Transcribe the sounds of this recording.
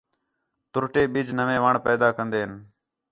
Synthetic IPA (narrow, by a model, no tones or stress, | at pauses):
t̪ʊɾʈeːɓiːd͡ʒnəʋẽːʋaːɳpɛːd̪aːkənd̪eːɦən